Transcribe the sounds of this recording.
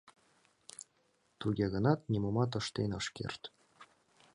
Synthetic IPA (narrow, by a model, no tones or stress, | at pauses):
t̪uɡʲeɣɤ̆nɑt̪nʲimomɑt̪̬ɤ̆ʃt̪enɤʃkʲḛrt̪ʲ